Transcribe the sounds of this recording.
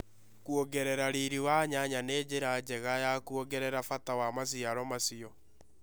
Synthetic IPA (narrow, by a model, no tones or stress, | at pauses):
kuoɡɛɾɛɾaɾiɾiwaɲaɲaneːd͡ʑeɾad͡ʑɛɣajakuoɡɛɾɛɾafatawamas̬iaɾɔmasiɔ